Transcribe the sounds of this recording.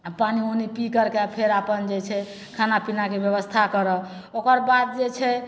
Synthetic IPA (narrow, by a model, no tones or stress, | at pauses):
panionipikəɾkepʰeɾapənd͡ʒet͡ʃʰɛ | kʰanapinakebjəβəst̪ʰakəɾə | okəɾbad̪̚d͡ʒet͡ʃʰɛ